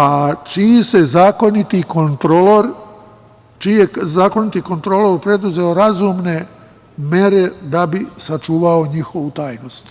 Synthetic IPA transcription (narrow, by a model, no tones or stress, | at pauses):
at͡ʃise̞zaːko̞nit̪ikont̪ɾoloɾ | t͡ʃijezaːko̞nit̪iko̞nt̪ɾoloɾpɾe̞d̪uze̞oɾazuːmne̞ | meɾe̞d̪abisat͡ʃuːʋao̞ɲixo̞ʋut̪aːjno̞st̪